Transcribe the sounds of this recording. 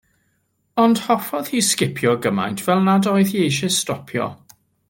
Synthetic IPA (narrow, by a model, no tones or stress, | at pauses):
ɔnd̥hɔfɔð̥hiːskɪpʰjɔɡəma̰jntʰvɛlˠnadɔjðjejʃɪstɔpʰjɔ̰